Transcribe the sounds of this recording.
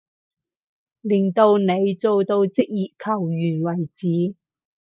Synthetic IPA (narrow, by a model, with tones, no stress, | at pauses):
liː˨˩nt̪o˧wne˨˧jt͡so˨˧wt̪o˧wt͡sɪ˥k̚jiː˨t̚kʰɐ˨˩wjyː˨˩nwɐ˨˩jt͡siː˨˥